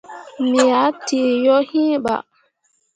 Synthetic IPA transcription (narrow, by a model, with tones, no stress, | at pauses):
mi˨ja˨˦ti˨jɔ˦hĩ˦ɓa̰˨